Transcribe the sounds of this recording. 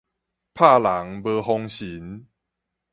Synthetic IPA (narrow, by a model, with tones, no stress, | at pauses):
pʰa˥˧˨la˨˦ŋbɤ˧ɦɔ˧ŋɕi˨˦n